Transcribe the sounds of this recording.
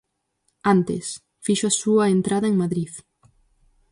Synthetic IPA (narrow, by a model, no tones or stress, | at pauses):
ant̪ḛs | fiʃoasuɐent̪ɾaðɐeŋmaðɾið